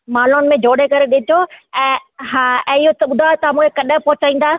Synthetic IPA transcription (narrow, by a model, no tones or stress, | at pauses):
maːlʊnɪ̆mẽd͡ʑʱoːɽekɐɾeɗɪtʰoɛ̃ːɦaːɛ̃ːɪɦot̪ɐɓʊd̪ʱat̪ɐamũːkʰekɐɗə̆pɐɦʊt͡ɕaːĩːnd̪aː